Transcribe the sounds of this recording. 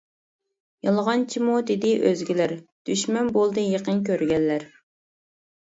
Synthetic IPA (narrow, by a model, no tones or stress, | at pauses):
jɑlˠʁɑnt͡ʃʰimud̪ɪd̪ɪʔøzɡʲilæɾd̪̥yʃmɛnbolˠd̪ɨjeqənk̬ʲøɾɡʲɛlːæɾ